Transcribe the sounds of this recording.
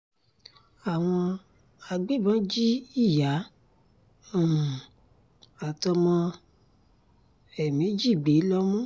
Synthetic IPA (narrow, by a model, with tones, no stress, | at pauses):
a˨w̃ɔ̃˧ | a˧ɡ͡be˦˨bɔ̃˦d͡ʒi˦i˦˨ja˨˦˨ | a˨tɔ˧mɔ̃˧ | ɛ˨mĩ˨˦d͡ʒi˦˨ɡ͡be˨˦lɔ˦mɔ̃˦